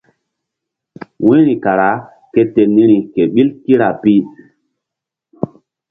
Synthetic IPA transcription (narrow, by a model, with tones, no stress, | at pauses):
wĩ˦ɾi˨ka˨ɾa˨˦ | ke˦te˨ni˦ɾi˨ke˨ɓi˦lki˦ɾa˨pi˦